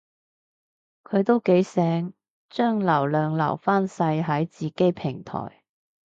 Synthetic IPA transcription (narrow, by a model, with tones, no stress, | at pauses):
kʰɵ˨˧ɥt̪o˥wke˨˥jsɛː˨˥ŋ | t͡ʃœː˥ŋlɐ˨˩wlœː˨ŋlɐ̰˨˩wfaː˥nsɐ˧jɦɐ˨˥jt͡siː˨ke˥jpʰɪ˨˩ŋt̪ʰɔ̰ː˨˩j